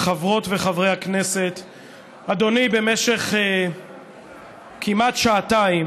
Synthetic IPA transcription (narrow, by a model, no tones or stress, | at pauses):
χavʁo̞tveχavʁe̞jhakne̞set̪ | ad̪o̞nibe̞meʃe̞χe | kʰimatʃaːtaim